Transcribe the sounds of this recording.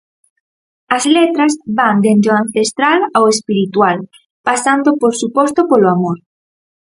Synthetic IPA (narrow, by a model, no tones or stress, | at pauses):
ɐzlet̪ɾɐzβand̪ent̪ɾeoãn̟θest̪ɾalawespiɾit̪wal | pasand̪opoɾsupɔst̪opoloamoɾ